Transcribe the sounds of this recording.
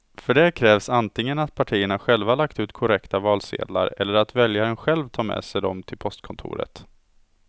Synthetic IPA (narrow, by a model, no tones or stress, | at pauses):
fœɖɛkʰɾɛːvsant̪ʰɪŋːənat̪pʰaʈʰiːəɳaɧɛlvahlakt̪ʉ̟ːt̪kʰʊɾɛkt̪avɑːlsḛːd̪la̰ɾɛlːəɾat̪vɛljaɾənɧɛlvt̪ʰɑːɾmɛ̰ːsɛjd̪ɔmt̪ʰɪlpʰɔst̪kʰɔnt̪ʰṵːɾə̰t̪